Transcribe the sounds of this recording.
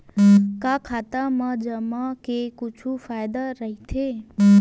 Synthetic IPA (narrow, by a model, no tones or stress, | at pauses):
kãkʰat̪amãd͡ʒəmãkekʊt͡ʃʰufajd̪aɾəɦit̪ʰe